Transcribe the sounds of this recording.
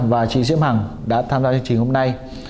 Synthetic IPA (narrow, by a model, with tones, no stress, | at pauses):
vaː˨˩t͡ɕḭ˧˩zḭ˧˥əmha˨˩ŋ | ɗa̰ː˧˥t̪ʰaː˧mzaː˧t͡ɕŋt͡ɕï˨˩ŋho˧mna˧j